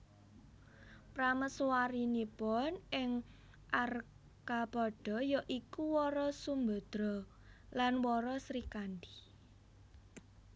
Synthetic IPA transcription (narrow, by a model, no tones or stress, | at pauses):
pɾaməswaɾinibɔnɪŋ | ʔar | kabɔɖ̥ɔ̤jɔʔikuwɔɾɔsumbə̤d̪̥ɾɔ | lanwɔɾɔsɾikandi̥